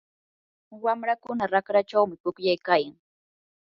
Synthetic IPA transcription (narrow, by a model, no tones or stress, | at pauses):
wamɾakʊnaɾakɾat͡ʃawmɪpʊkjajkaːjaŋ